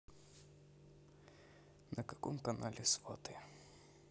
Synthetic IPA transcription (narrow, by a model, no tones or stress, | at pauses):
nɐkɐkɔmkɐnalʲɪsvɔt̪ɨ